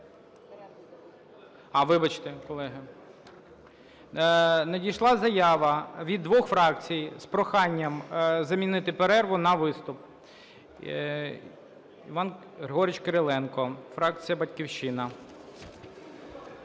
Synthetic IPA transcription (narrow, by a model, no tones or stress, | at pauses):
ɑʋɪbɐt͡ʃt̪ekɔlˠɛɦɪ | nɐdʲijʃlˠɑzɐjɑʋɐʋʲid̪ːʋɔxfɾɑkt͡sʲijspɾɔxɑnʲːɐmzɐmʲinɪt̪ɪpeɾɛrʋʊnɐʋɪst̪ʊp̚ | iʋɑn | rɦɔɾɪt͡ʃkeɾelˠɛnkɔfɾɑk̚t͡sʲijɐbɐtʲkʲiwʃɪnɐ